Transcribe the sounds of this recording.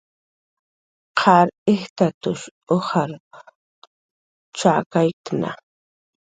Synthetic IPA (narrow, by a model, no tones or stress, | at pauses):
qʰɑɾɪht̪at̪ʊʃohaɾ | t͡ʃakajkna̰